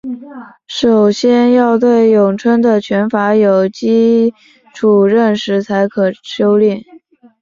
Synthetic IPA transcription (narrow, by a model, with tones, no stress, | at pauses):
ʂo˨˩ʊɕjɛ˥njɑ˥˧ʊt̪̬we˥˩ɪjʊ˨˩ŋʈ͡ʂʰwə˥nd̪ə˨t͡ɕʰɥɛ˧˥nfa˧˥jo˨˩ʊt͡ɕi˥ | ʈ͡ʂʰu˨˩ɻə˥˩nʂɻ̩˧˥t͡sʰa˧˥ɪkʰɤ˨˩ɕjo˥ʊlji˥˩n